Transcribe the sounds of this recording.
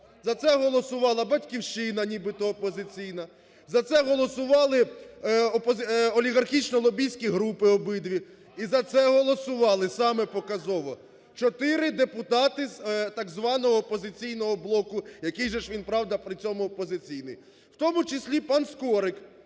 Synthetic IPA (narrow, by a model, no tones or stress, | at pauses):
zɐt̪sɛɦɔlˠɔsʊʋɑlˠɐbɐtʲkʲiwʃt͡ʃɪnɐnʲibɪt̪ɔːpɔzɪt͡sʲijnɐ | zɐt̪sɛɦɔlˠɔsʊʋɑlˠɪ | ɔpɔzɔlʲiɣɐrxʲit͡ʃnɔlˠɔbʲijsʲkʲiɦɾupɪɔbɪd̪ʋʲi | izɐt̪sɛɦɔlˠɔsʊʋɑlˠɪsɑmɛpɔkɐzɔʋɔ | t͡ʃɔt̪ɪɾɪd̪epʊt̪ɑt̪ɪzt̪ɑɡzʋɑnɔɦɔːpɔzɪt͡sʲijnɔɦɔblˠɔkʊjɐkijʒɛʃʋʲinpɾɑwd̪ɐpɾɪt͡sʲɔmʊːpɔzɪt͡sʲijnɪ̰j | wt̪ɔmʊt͡ʃɪsʲlʲipɑnskɔɾɪk